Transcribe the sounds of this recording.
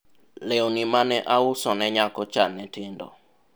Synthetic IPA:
lenimanɛʔaʊsɔnɛɲakɔt͡ʃanɛtɪndɔ̰

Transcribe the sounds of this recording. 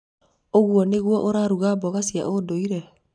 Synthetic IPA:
oɣwɔneɣwɔʔoɾaːɾuɣabɔɣasia̰ʔodoiɾɛ

